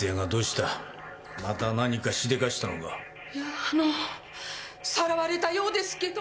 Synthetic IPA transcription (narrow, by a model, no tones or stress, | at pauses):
aɡad̪o̞ːɕi̥t̪a | mat̪anaɲ̟ikaɕid̪e̞kaɕi̥t̪anoka̰ | jaːno | saɾaβaɾe̞t̪ajo̞ːd̪e̞sɨ̥ke̞d̪o